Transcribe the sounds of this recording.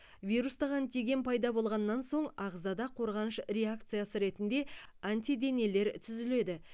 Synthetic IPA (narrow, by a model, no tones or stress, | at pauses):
vʲijɾust̪ɑʁant̪eɡʲe̞npʰɑjd̪ɑbo̞lˠʁɑnːɑnso̞ɴɑʁzɑd̪ɑqʰo̞ɾʁɑnəʃɾe̞ak̚t̪sɨjasəɾe̞t̪ɪnd̪e̞anʲt̪ʲid̪e̞nele̞ɾt̪ʰʏzɪle̞d̪ɪ